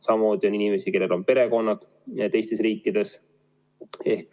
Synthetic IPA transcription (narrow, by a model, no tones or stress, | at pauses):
sɑmɑmmo̞ːd̪̥ʲio̞ninime̞sike̞lːe̞lo̞npe̞ɾe̞ko̞nːɑd̪̥ | t̪e̞jst̪e̞sriːkːˑid̪̥e̞s | e̞hk